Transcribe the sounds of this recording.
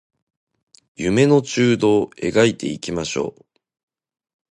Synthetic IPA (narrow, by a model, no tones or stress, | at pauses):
jɯme̞no̞t͡ɕɨːd̪o̞ːe̞̰ɡait̪e̞̰ikʲimaɕo̞̰ː